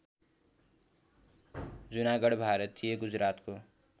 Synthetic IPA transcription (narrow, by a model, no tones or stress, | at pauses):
d͡zunaɡʌɽbʱaɾʌt̪ʰːijeɡud͡zɾat̪ko